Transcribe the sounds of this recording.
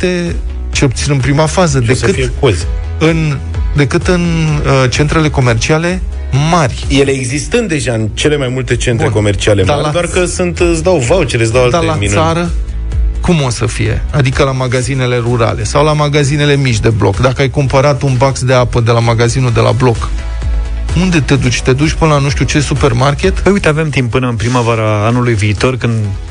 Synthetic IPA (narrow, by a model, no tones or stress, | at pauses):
t̪e | t͡ʃelput̪sinɨnpɾimafazəd̪e̞sɨtfiekozʲ | ɨn | d̪e̞kɨt̪ɨnt͡ʃe̞nt̪ɾe̞le̞ko̞me̞rt͡ʃiale̞ | marʲje̞le̞ːɡzist̪ɨnt̪̚d̪e̞ʒaɨnt͡ʃe̞le̞majmult̪e̞t͡ʃe̞ntbɾeko̞me̞rt͡ʃialemd̪aɾlad̪oarkəsunt̪ɨsd̪awvawt͡ʃeles̬d̪awaltd̪alaminsaɾə | kumo̞səfije̞̰ad̪ikəlamaɡazine̞le̞ruɾa̰le̞sawlamaɡazine̞le̞mit͡ʃʲd̪e̞blo̰kd̪akəajkumpəɾat̪unbaksd̪e̞apəd̪e̞lamaɡazinud̪e̞lʔa̰blo̞k | und̪e̞t̪e̞d̪ut͡ʃʲt̪e̞d̪ut͡ʃʲpɨnəlanuʃt̪ʲjut͡ʃe̞supe̞rmarkʲe̞t̪pəjujt̪e̞ave̞mt̪impːɨnəɨnpɾimavaɾaanulujviːt̪o̞rkɨnd̪